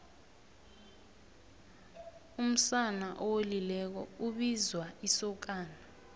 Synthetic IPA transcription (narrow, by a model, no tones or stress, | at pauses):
um̩sanaʔowelilɛk̬ɔ̰uɓizwaisɔk̬aːna